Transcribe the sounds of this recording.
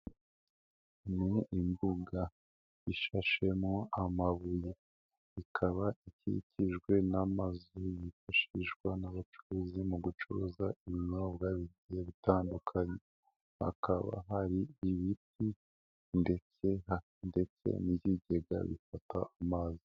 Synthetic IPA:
niːmbuɡa | iʃaʃe̞moamaβuje | ikʰaβaicḭcʰiʒɡwe̞namazujifaʃiʒɡwanaβat͡ʃuɾuzimuɡut͡ʃuɾuzaiβiɲaβɡaːβiɟijeβitaːndukʰaɲe | ha̰kaβa̰ɦaɾiːβiti | nde̞t͡seha | nde̞t͡sḛniɟiɟe̞ɡa̰βḭfata̰ːmaːzi

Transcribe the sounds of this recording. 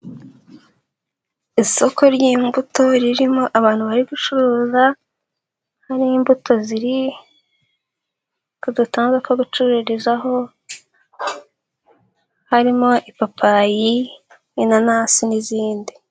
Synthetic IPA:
iso̞ko̞ɾɟiːmbuto̞ɾiɾimo̞ʔaβaːn̥huβaɾiɡut͡ʃuɾoːza | haɾiːmbutʰo̞ziɾi | kudutaːŋzekoɡut͡ʃuɾuɾizaɦo̞ | haɾimo̞ʔipapʰaji | jinanasiniziːndi

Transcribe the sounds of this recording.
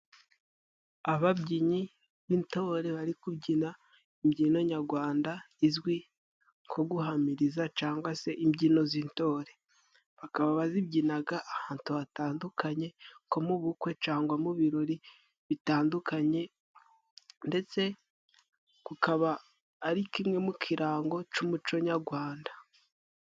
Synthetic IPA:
aβabɟiɲi | βinto̞ɾe̞βaɾikubɟina | imɟiːno̞ɲaɾɡwaːnda | izwi | ŋkʰo̞ɡuɦamiɾizat͡ʃaːŋɡwase̞ʔimɟiːno̞zinto̞ːɾe̞ | βakaβaβazib̚ɟinaɡaʔːhaːntuβataːndukʰaɲe̞ko̞muβukwe̞t͡ʃaːŋɡwamuβiɾo̞ɾi | βitaːndukʰaɲe̞ | nde̞t͡se̞ | kukʰaβaː | ɾikimŋe̞mukʰiɾaːŋɡo̞t͡ʃumut͡ʃo̞ɲaɡwaːnda

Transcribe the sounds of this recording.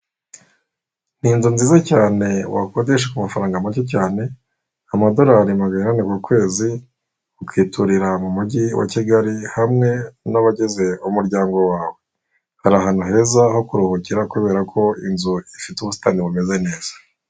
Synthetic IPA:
n̥inzunziːzacaːne̞wakodeʃekumafaɾaːŋɡamacoc̬aːne̞ | amado̞ɾaːɾimaɡaninanekuːkwe̞ːzi | ukwiːtʰuɾiɾamumuɟiwʔa̰ciɡaɾihamŋe̞naβaɟeze̞umuɾɟaːŋɡo̞waːwe̞ | haɾaɦan̥uɦe̞zaho̞kuɾuhuciɾakuβe̞ːɾakʰo̞inzuifituβusi̥taːniβume̞ze̞ne̞ːz̥ḁ

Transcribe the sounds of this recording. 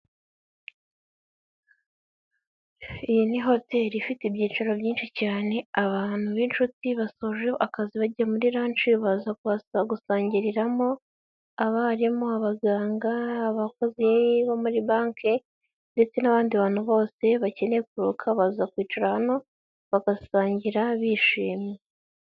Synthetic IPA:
ijiniɦo̞te̞ːɾifitibɟiːt͡ʃaɾobɟiːnʃicaːne̞aβaːn̥huβint͡ʃutiβasoːʒeoʔakaziβaɟiɾamuɾiɾaːnt͡ʃiβazakuβasaɡusaːɲɟiɾiɾamo̞ | aβaɾimo̞aβaɡaːŋɡaːβako̞ziβomuɾibaːŋke | nde̞t͡se̞naβaːndiβaːn̥huβo̞ːse̞βace̞ne̞kuɾukʰaβazzakwiːt͡ʃaɾahano̞ | βaɡasaːɲɟiɾaβiʃiːmje

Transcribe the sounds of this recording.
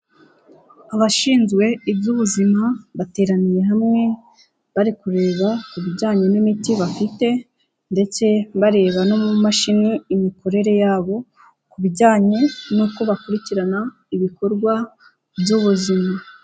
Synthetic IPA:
aβaʃiːnzɡwe̞ibjuβuzimaβate̞ːɾanije̞ɦamŋe̞ | βaɾikuɾe̞ːβakuβiɾɟaːɲe̞nimitiβafite̞ | nde̞t͡se̞βaɾe̞ːβano̞mumaʃiniːmiko̞ɾe̞ɾe̞jaːβo̞ | kuβiɟaːɲe̞nuːko̞βakuɾiciɾana | iβiko̞ɾɡwa | bjuβuzima

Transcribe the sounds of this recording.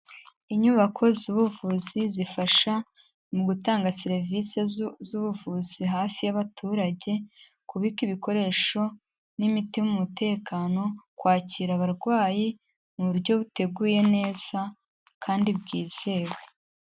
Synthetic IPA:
iɲuβakʰo̞zuβuvuzizifaʃa | muɡutaːŋɡaseɾvise̞zuβuvuziɦaːfijaβatʰuːɾaɟe̞ | kuβikiβiko̞ɾe̞ːʃo̞ | nimitimumute̞ːkaːno̞kwaːciːɾaβaɾɡwaːji | muβuɾɟo̞βute̞ɡuːje̞ne̞ːz̥a | kʰaːndibɡiːz̥e̞ːwe

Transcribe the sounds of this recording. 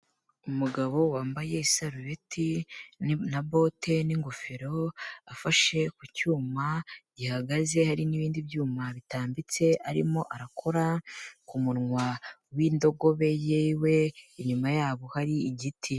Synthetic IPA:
umuɡaβo̞waːmbaje̞isaɾuɾetʰi | nabo̞te̞niŋɡufeɾo̞afaʃe̞kucuːmaɟihaɡaze̞haɾiniβiːndibjuːmaβitaːmbit͡se̞aɾḭmo̞ʔaɾakʰo̞ɾakumuɾŋwawiːndo̞ɡo̞βe̞jewe̞iɲumajaːβo̞haɾiːɟitʰi

